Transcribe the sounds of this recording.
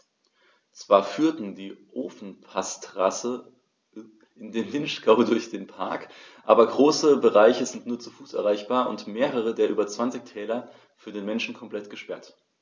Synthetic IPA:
t͡sv̥aːɐfyːɐtn̩diːʔoːfn̩pʰastʁ̥asə | ʔɪndeːndɪnʃkaʊdʊɐçd̥eːnpʰa̰ɐk | ʔa̰ːbɐɡʁoːsəbəʁaɪçəzɪntnuːɐt͡sufuːsʔɛ̰ɐʁ̞aɪçb̥aːɐʔʊ̰ntmeːʁ̞əʁ̞ədeːɐʔyːbɐt͡sv̥ant͡sɪçtʰɛːlɐ | fyːɐdeːnmɛnʃn̩kʰɔmpl̥ɛtɡ̥əʃpɛɐt

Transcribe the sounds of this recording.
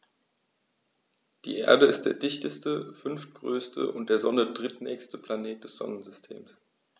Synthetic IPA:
d̥ḭːʔḛːɐdəɪst̚d̥ḛːɐdɪçtəstəfʏnft̚ɡ̥ʁøːstʰə̰ʔʊ̰ntd̥eːɐzɔnədʁɪtnɛːçstəpl̥aneːt̚d̥ɛsz̥ɔ̰nənzʏstʰḛːms

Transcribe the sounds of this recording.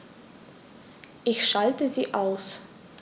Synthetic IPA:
ʔɪçʃaltəziːʔaʊs

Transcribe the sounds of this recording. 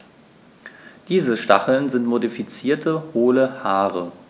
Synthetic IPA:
d̥iːzəʃta̰χl̩nzɪntmodifit͡siːɐtʰəhoːləhaːʁə

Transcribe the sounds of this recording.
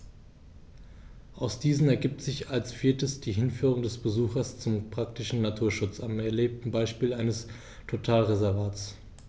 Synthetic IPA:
ʔaʊsd̥iːzn̩ɛɐɡiːp̚tz̥ɪçalsfiːɐtəsd̥iːɦɪnfyːʁʊŋdɛsb̥əzuːxɐst͡sʊmpʁ̥ak̚tɪʃn̩natʰuːɐʃʊt͡samɛɐleːp̚tn̩baɪʃpiːlaɪnəs | tʰotʰaːlʁezɛɐvaːts

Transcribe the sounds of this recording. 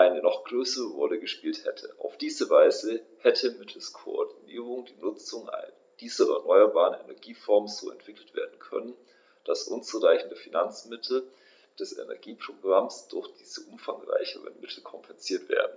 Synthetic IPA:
ʔaɪnənɔχɡ̥ʁøːsəʁəʁɔləɡəʃpiːlthɛtʰəʔa̰ʊfd̥iːzəvaɪzəhɛtʰəmɪtʰl̩skʰoɔɐdiniːʁ̞ʊŋdiːnʊt͡sʊŋa̰ɪn | d̥iːzɐɛɐnɔʏɐbaːʁənɛnɛɐɡiːfɔɐmz̥o̰ːɛ̰ntv̥ɪkl̩tv̥ḛːɐdn̩kʰœ̰nən | d̥asʔʊnt͡suʁaɪçn̩dəfinant͡smɪtʰl̩ | d̥ɛsɛ̰nɛ̰ɐɡiːpʁ̥oɡʁamsd̥ʊɐçd̥iːz̥əʔʊmfaŋʁa̰ɪçəʁə̰nmɪtʰl̩kʰɔmpʰɛnziːɐtv̥ḛːɐdn̩

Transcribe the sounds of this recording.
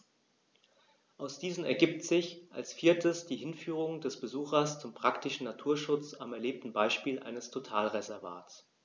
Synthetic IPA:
ʔaʊsd̥iːzn̩ɛ̰ɐɡiːp̚tz̥ɪçʔa̰lsfiːɐtʰəsd̥iːɦɪnfyːʁ̞ʊŋdɛsb̥əzuːxɐst͡sʊmpʁ̥aktɪʃn̩natʰuːɐʃʊt͡samɛɐleːp̚tn̩baɪʃpiːlʔa̰ɪnəstʰotʰaːlʁezɛɐva̰ːt

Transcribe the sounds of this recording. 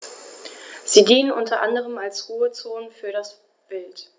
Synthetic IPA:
z̥iːdiːənʔʊntɐʔandəʁ̞əmalsʁuːət͡soːnfyːɐɾas | b̥ɪlt

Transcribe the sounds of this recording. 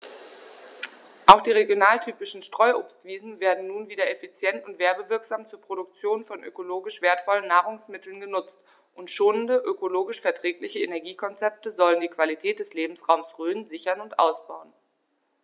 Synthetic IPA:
ʔaʊxd̥iːʁeɡjonaːltʰyːpɪʃn̩ʃtʁ̥ɔʏʔoːpstv̥iːzn̩veːɐdn̩nːuːnviːdɐefit͡sjɛntʊntv̥eːɐbəvɪɐkz̥aːmt͡suːɐpʁ̥oɾʊk̚t͡sjoːnfɔnʔø̰koloːɡɪʃv̥eːɐtfɔlənːaːʁʊŋsmɪtʰl̩nɡənʊt͡st | ʔʊntʃoːnəndəʔøkoloːɡɪʃfɛɐtʁ̥ɛːklɪçəenɛɐɡiːkʰɔnt͡sɛp̚təzɔləndiːkv̥alitʰɛːt̚d̥ɛsleːbm̩sʁ̥aʊmsʁøːnzɪçɐnʊntʔa̰ʊsb̥aʊən

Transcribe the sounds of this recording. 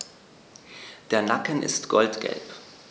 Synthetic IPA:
d̥eːɐnakənʔɪ̰stɡ̥ɔltɡ̥ɛ̰lp

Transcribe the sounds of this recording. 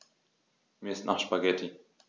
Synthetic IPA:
miːɪstnʔaχʃpaɡɛtʰi

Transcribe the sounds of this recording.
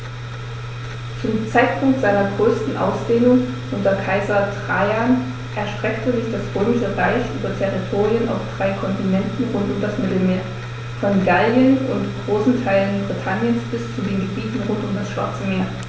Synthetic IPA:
t͡sʊmt͡saɪt̚pʰʊŋk̚tz̥aɪnɐɡʁøːstn̩ʔa̰ʊsd̥eːnʊŋ | ʔʊntɐkʰaɪzɐtʁ̥aɪan | ʔɛɐʃtʁ̥ɛktəzɪçd̥asʁøːmɪʃəʁaɪçʔyːbɐtʰɛʁitʰoːʁiənʔa̰ʊfd̥ʁaɪkʰɔntinɛntn̩ʁʊntʊmdasmɪtl̩meːɐ | fɔnɡalənʊntɡ̥ʁoːsn̩tʰaɪlənbʁitʰanjənsb̥ɪst͡sudeːnɡəbiːtn̩ʁʊntʊmdasʃv̥a̰ɐt͡səmeːɐ

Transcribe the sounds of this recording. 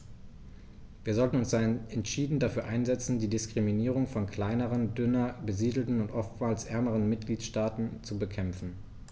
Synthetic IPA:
viːɐzɔltn̩ʊnsd̥aɛntʃiːdn̩dafyːɐʔaɪnzɛt͡sn̩diːdɪskʁ̥iminiːʁ̞ʊŋfɔnkl̥aɪnəʁəndʏnɐbəziːdl̩tn̩ʊntʔɔftmaːlsʔɛɐməʁ̞ənmɪt̚ɡ̥liːtʃtaːtn̩t͡subəkʰɛmfn̩

